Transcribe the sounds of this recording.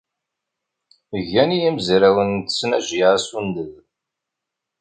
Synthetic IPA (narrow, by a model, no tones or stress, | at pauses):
əʝænijæmzɾæwənt̪ə̥snæʒaʕsund̪əð